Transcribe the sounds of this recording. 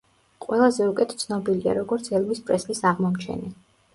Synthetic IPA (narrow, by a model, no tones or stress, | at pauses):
qʼwɛlˠazɛukʼɛt̪ʰt̪sʰnɔbilia̰ɾɔɡɔɾt̪sʰɛlˠmispʼɾɛslisaʁmɔmt͡ʃʰɛ̰ni